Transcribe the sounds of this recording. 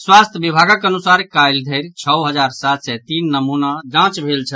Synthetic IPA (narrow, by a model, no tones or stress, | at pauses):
swast̪ʰəbibʱaɡəkənusaɾkajld̪ʱəɾt͡ʃʰəwɦəd͡ʒaɾsat̪sɛt̪inːəmunad͡ʒãt͡ʃbʱelt͡ʃʰət̪